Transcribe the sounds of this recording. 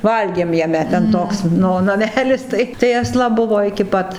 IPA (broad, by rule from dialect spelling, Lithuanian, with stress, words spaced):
ˈʋɐlʲɡʲeːm jɛˈmʲɛ tʲɛn ˈtoːks ˈnʊ nɐˈmʲæːlʲɪs tɐɪ tɐɪ ɐsˈlˠɐ ˈbʊʋoː ɪkʲɪ ˈpɐt